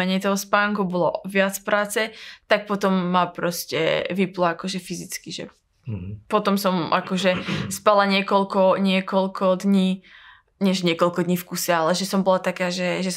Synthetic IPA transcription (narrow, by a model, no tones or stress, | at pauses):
ɛɲɛjt̪ɔɦɔspaːŋkubɔlɔ̰ʋɪat͡sfpɾaːt͡sɛt̪ak̚pɔt̪ɔmːapɾɔscɛ̰ʋiplaakɔʒɛfizit͡skiʒɛ̰ | pɔt̪ɔmsɔmʔakɔʒɛspalaɲɪɛkɔlkɔɲɪɛkɔlkʰɔd̪ɲiː | ɲɛʒɲɪɛkɔlkɔd̪ɲiːfkusɛalɛʒɛsɔmbɔlat̪akaːʒɛʒɛ